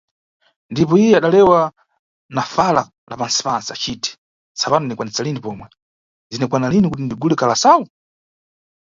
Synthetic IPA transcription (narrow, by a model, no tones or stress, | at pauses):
ndipɔijɛaɗalɛwa | nafala | lʔa̰pansi̥pansiat͡ʃiːtɛ̥ | sapanɔnikwanisalinipɔmwɛ | zinɛkwanalinikut̬indiɡulɛkalasawu